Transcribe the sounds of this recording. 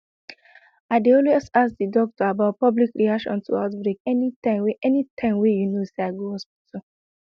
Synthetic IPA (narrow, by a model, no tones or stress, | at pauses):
aɪdeɔlwɛsas̚didɔk̚tɔabaʊt̚pɔblikɾiakʃɔ̰̃ntʰuaʊtbɹekɛnitãweʔɛnitʰãɪ̃mwejunoseaɡuohɔspitʰu